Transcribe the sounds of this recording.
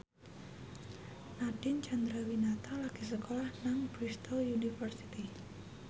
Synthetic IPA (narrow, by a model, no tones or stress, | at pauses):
naɖ̥ɪnt͡ʃand̪ɾawinat̪alaɡ̥i̤s̬əkolahnaŋb̥ɾist̪ojunifərsit̪i